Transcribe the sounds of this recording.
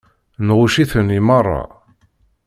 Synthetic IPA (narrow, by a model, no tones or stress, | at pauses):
nʁuʃiθənimɑrˤːɑ̰